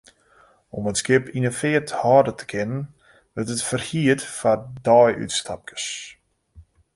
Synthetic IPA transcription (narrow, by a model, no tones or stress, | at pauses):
ɔmətskɪpʰinəfɪəthɔːdətʰə̥kʰɪnən | ʋɪrtətfərhiətfadɔjy̰tstʰap̚kʰə̥s